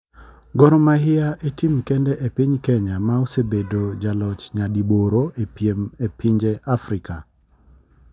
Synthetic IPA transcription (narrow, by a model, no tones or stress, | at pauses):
ɡɔɾɔmaɦɪaʔetimkendɛʔepiɲkɛɲamaosebedod͡ʒalɔt͡ʃɲadiboɾoʔepjemepʰiɲd͡ʒeʔafɾika